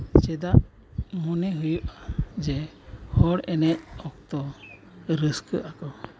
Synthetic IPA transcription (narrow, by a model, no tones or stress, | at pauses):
t͡ʃɛd̪aʔ | mɔnɛɦujuʔad͡ʒɛ | hɔɽɛnɛc̚ɔk̚t̪ɔ | ɾəskəʔakɔ